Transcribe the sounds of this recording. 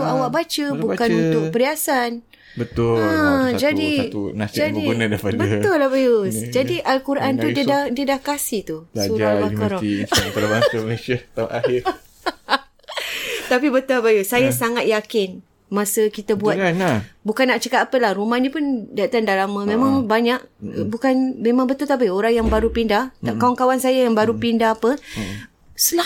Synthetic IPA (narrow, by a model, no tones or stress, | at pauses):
t̪uawaʔk̚bat͡ʃəbukanunt̪ʊk̚pəɾiasan | bət̪ʊəd͡ʒadiunasd͡ʒadiənədapadbəəʊlːabajusd͡ʒadiʔalkuɾaʔant̪udiədahdiədahkasɪht̪ublsaud͡ʒɾabakaɾɔipadabaŋəməlesiat̪aʔaɦɪɾ | t̪apibət̪abajusajasaŋat̪̚jakɪn | mãsəkit̪abuatnabukanːaʔt͡ʃəkat̪apəlahrumanĩpʊndait̪andalamãmẽmãŋbaɲak̚bukanmemãŋbət̪ʊlt̪ap̬ioɾaŋjaŋbaɾupindaht̪kawaŋkawansajajaŋbaɾupindaɦapə | səla